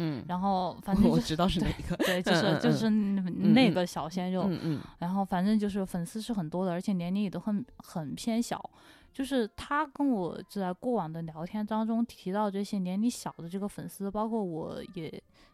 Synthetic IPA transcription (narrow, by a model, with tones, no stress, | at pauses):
ɻa˧˥nxo˥˩ʊfa˨˩nʈ͡ʂə˥˧ɔ˨˥ʈ͡ʂɻ̩˧˥ɑ˥˧ʊʂɻ̩˥˧t̪e˥˧˩ɡ̪we˥˧ɪt͡ɕjʊʂɻ̩˥˧t͡ɕjo˥˧ʊʂɻ̩˥˧ne˥˩ɪɡə˩ɕjɑ˨˩ʊɕjɛ˥nɻo˥˩ʊɻa˧˥nxo˥˩ʊfa˨˩nʈ͡ʂɤ˥˧ŋt͡ɕjo˥˧ʊʂ̬ɻ̩˥˩fə˨˩nsɹ̩˥ʂɻ̩˥˩xə˨˩nt̪wɔ˥d̪ə˨ə˞˧˥t͡ɕʰɛ˨˩njɛ˧˥nli˧˥jɛ˨˩t̪o˥ʊxnxə˨˩npʰjɛ˥nɕjɑ̰˨˩˦ʊ | t͡ɕjo˥˧ʊʂɻ̩˥˩t̪ʰa˥kə˥nwɔ˨˩ʈ͡ʂ̩˥˧t͡sa˥˧ɪkwɔ˥˩wɑ˨˩ŋd̪ə˦njɑ˧˥ʊt̪ʰjɛ˥nt̪ɑ˥ŋʈ͡ʂʊ˥ŋt̪ʰi˧˥t̪ɑ˥˧ʊʈ͡ʂɤ˥˩ɕjɛ˥njɛ˧˥nli˧˥ɕjɑ˨˩ʊd̪ə˦ʈ͡ʂɤ˥˩ɡə˩fə˨˩nsɹ̩˥pɑ˥ʊkʰwɔ˥˩wɔ˧˥jɛ˨˩˦